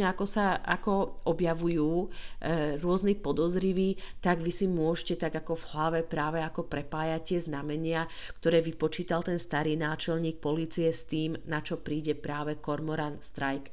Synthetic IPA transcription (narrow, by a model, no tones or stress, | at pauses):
ɲɛakɔsaa̰kɔʔɔbjaʋujuː | ɾʊɔznipɔd̪ɔzɾiʋiːt̪aɡʋisimʊɔʒcɛt̪aɡakɔvɦlaʋɛpɾaːʋɛakɔpɾɛpaːjacɪɛznamɛɲɪakt̪ɔɾɛːʋipɔt͡ʃiːt̪alt̪ɛnst̪aɾiːnaːt͡ʃɛlɲiːk̚pɔliːt͡siɛst̪iːmnat͡ʃɔpɾiːɟɛpɾaːʋɛkɔɾmɔɾanst̪ɾajk